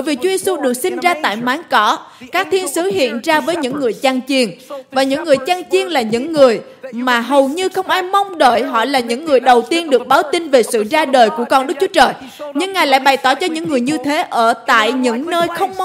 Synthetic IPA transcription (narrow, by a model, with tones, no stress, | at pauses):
jvi˨˩t͡ɕu˨˦ze˧su˧ɗɨ˨˩ək̚si˧nzaː˧t̪a̰ː˧˨jmaː˨˦nkɔ˨˦kaː˦˥k̚t̪ʰi˧ənsɨ˨˦˥ɦḭ˧˨ənzaː˧vəː˨˦jɲɨ̰˧˥ŋːɨ˨˩əjt͡ɕa˧ŋt͡ɕi˧ənvaː˨˩ɲɨ̰˧˥ŋːɨ˨˩əjt͡ɕa˧ŋt͡ɕi˧ənlaː˨˩ɲɨ̰˧˥ŋːɨ˨˩əj | maː˨˩ɦə˨˩wɲɨ˧xə˧wŋ͡mʔaː˧jma˧wŋ͡mɗə̰ː˧˨jɦɔ̰˧˨laː˨˩ɲɨ̰˧˥ŋːɨ˨˩əjɗə˨˩wt̪i˧ənɗɨ˨˩ək̚ɓaː˨˦wt̪i˧nve˨˩sɨ̰˧˨zaː˧ɗəː˨˩jku˧˩əkɔ˧nɗɨ˦˥k̚t͡ɕu˨˦t͡ɕəː˨˩j | ɲɨ˧ŋːaː˨˩jla̰ː˧˨jɓa˨˩jt̪ɔ˧˩t͡ɕɔ˧ɲɨ̰˧˥ŋːɨ˨˩əjɲɨ˧t̪ʰe˨˦ʔəː˧˩t̪a̰ː˧˨jɲɨ̰˧˥ŋnəː˧jxə˧wŋ͡mm˧˦